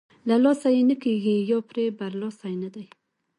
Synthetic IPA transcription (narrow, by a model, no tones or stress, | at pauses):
lalɑsajenəkeɡijɑpɾebaɾlɑsajnad̪aj